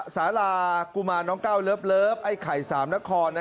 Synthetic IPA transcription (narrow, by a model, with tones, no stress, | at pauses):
saː˩˦˥laː˧ku˧maː˧nːɔː˦˥ŋkaː˥˩wlɤː˦˥p̚lɤː˦˥˩p̚ha˥˩jkʰa˨˩jsaː˩˦mna˦˥kʰɔː˧nːa˦